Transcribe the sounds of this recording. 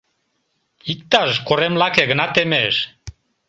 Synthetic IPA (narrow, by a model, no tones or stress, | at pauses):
ik̚t̪aʃkoɾemlakeɡənat̪emeʃ